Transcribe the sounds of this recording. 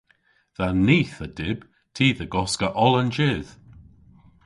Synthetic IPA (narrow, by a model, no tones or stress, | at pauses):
ðaniːθədɪb̥ | tʰiːðəɡɔskəʔɔlənd͡ʒɪð̥